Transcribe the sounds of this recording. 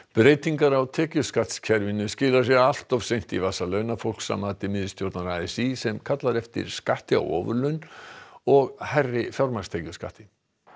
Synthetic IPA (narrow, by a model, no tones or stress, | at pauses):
pɾejt̪iŋkaɾawt̪ʰɛːcʏskaht̪scʰɛɾvɪnʏscɪːlaɾ̥s̬jɛɣal̥t̪ɔv̥sejn̥t̪ivasalœɥnafowl̥ksa̰maːt̪ɪmɪðɪst̪joɾt̪naɾaɛsisɛmkʰat̪laɾɛft̪ɪ̰ɾ̥skaht̪ɪa̰wɔ̰ːvʏlœnɔɣhajrːɪfjawɾmast̪ʰeːcʏska̰ht̪ɪ